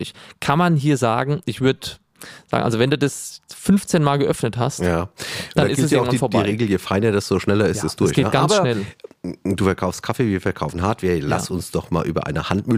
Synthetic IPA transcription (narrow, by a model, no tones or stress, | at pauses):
ɪçkʰanmanɦiːɐza̰ːɡŋ̩ʔɪçv̥ʏɐdə | za̰ːɡŋ̩̰ʔa̰lzovɛnduːdasfʏnft͡seːnmaːlɡəʔœfnəthastjjaːd̥annɪsisjːɐŋvanfɔɐbdiːʁeːɡl̩jefaɪnəd̥asz̥oʃnɛlɐɪstɛsd̥ʊɐsçɡeːɡanːsɐʃnɛl | d̥uːfɛɐkʰaʊfstkʰafeːviːɐfɛɐkʰaʊfn̩ɦaɐtv̥iːɐla̰sʊnsd̥ɔχma̰ːlʔyːbɐ̰ʔa̰ɪnəhantmʏ